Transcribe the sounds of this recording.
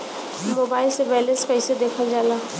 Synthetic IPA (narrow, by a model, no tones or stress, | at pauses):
moːbaːɪlseʋɛːlespɛɪsed̪eːkʰad͡ʒaːlaː